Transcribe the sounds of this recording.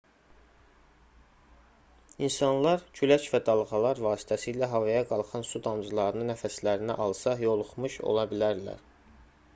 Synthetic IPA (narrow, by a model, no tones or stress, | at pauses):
insɑnlˠɑɾcʰylæt͡ʃvæd̪ɑlˠʁɑlˠɑɾvɑːsi̥t̪ʰæsilæɦɑvɑjɑɡɑlˠχɑnsud̪ɑmzɯlˠɑɾɯnɯnæfæslæɾinæ̰ʔɑlˠsɑjo̞lˠuχmuʃo̰lˠɑbilæɾlæ̰ɾ